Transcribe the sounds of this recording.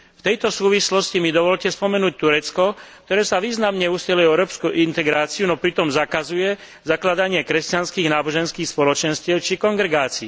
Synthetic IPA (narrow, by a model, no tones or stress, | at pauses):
ft̪ɛjt̪ɔsuːʋislɔscimid̪ɔʋɔʎcɛspɔmɛnuːc̚t̪uɾɛt͡skɔk̚t̪ɔɾɛːsaʋiːznamɲɛusɛlujɛɛʊɾɔːpskuʔint̪ɛɡɾaːt͡siunɔpɾit̪ɔmzakazujɛ | zaklad̪aɲɪɛkɾɛscanskiːɣnaːbɔʒɛnskiːxspɔlɔt͡ʃɛnscɪɛʊt͡ʃikɔŋɡɾɛɡaːt͡siː